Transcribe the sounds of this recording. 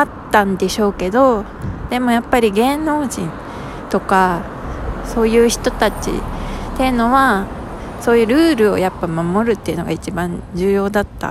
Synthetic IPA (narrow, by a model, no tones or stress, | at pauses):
at̪ːãnd̪e̞ɕo̞ːke̞d̪o̞ | d̪̥e̞mo̞japːaɾʲiɡẽ̞no̞ːʑĩn | t̪o̞ka | so̞ːjɯ̟ːçi̥t̪o̞t̪at͡ɕḭt̪e̞jɯ̟no̞βa | so̞ːjɯ̟ɾɯ̟ːɾɯ̟o̞̰japːamamo̞ɾɯt̪ːe̞iɯ̟no̞ɡait͡ɕibãɲd͡ʑɨːjo̞ːd̪at̪ːa̰